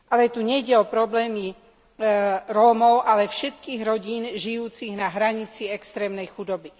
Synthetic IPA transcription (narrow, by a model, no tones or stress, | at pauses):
ʔalɛt̪uɲɛjɟɛɔpɾɔblɛːmi | ɾɔːmɔʊʔalɛfʃɛt̪kiːɣɾɔɟiːnʒijuːt͡siɣnaɦɾaɲit͡siɛkst̪ɾɛːmnɛjxud̪ɔbi